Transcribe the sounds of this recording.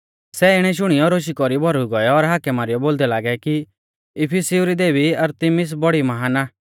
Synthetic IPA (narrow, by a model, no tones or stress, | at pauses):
sɛːɪɽ̃ɛʃ̬ʊɽ̃ijɔɾoːʃ̬ikɔɾibʱɔɾuɡɔjɔɔɾɦaːkɛmaːɾɪjɔboːld̪ɛlaːɡɛki | ɪpʰisiuɾid̪eːbiɐɾt̪ɪmɪs̬bɔɽimɐɦaːnaː